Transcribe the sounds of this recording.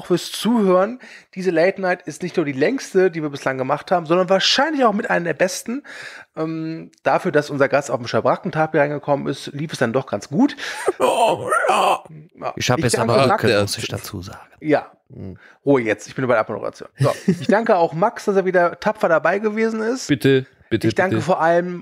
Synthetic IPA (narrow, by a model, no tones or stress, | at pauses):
aʊxfyːɐst͡suːhøːʁənd̥iːzəleɪtnaɪtɪstnɪçtnuːɐdiːlɛŋstədiːviːɐbɪslaŋɡəmaχthaːbm̩zɔndɐnvaːɐʃaɪnlɪçaʊxmɪtʔaɪnəmdeːɐbɛstn̩ʔɛːmmd̥afyːɐdasʔʊnzɐɡastaʊfmʃabʁakŋ̩tʰaːpiʁaɪnɡəkʰɔmənɪ̰stliːfɛsd̥andɔχɡ̥ant͡sɡ̥uːt | ja̰ːɪhaɪçɛsd̥aŋmakdat͡sṵːzaːɡja̰ː | ʁuːəjɛt͡stʔɪçb̥ɪnbaɪɾɛɐʔapmo̰də̰ʁa̰t͡sjo̰ːnzo̰ʔɪçdd̥aŋkəaʊxmaksd̥aseːɐviːdɐtʰapp͡fɐdabaɪɡəveːzn̩ɪstb̥ɪtə | b̥ɪtɪçd̥aŋkəfoːɐʔaləm